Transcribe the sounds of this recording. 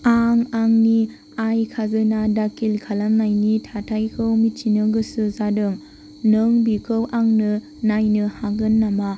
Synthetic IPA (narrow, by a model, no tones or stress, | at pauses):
aŋaŋni | ajkʰazɯnadakʰilkʰalamnajnitʰatʰajkʰɯwmit͡ʃinɯɡɯsɯzadɯŋ | nɯŋbikʰɯwʔaŋnɯ | najnɯhaɡɯnːama